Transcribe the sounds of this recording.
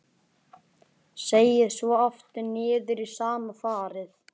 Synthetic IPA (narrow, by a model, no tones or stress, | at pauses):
seːjɪðsvɔɔft̪ʏnɪːðʏɾisaːmafaːɾɪθ